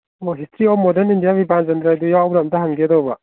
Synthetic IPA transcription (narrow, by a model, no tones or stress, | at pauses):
ɔɦistʰɾiɔmɔdenindijabipanzendɾajdujawbɾamdɐɦaŋɡedɔbɐ